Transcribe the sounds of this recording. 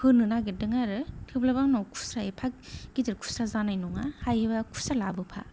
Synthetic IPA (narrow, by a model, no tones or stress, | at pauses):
hɯnɯnaɡɯdɯŋaɾɯtʰɯblabaŋnɔwkʰu̥sɾaipʰak̚ɡitiɾkʰu̥sazanajnɔŋahajɯbakʰu̥salabɯpʰa̰